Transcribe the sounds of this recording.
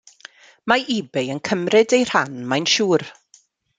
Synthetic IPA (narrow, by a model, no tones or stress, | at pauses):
maʔibɛjənkʰəmrɪdejr̥anmajnʃuːr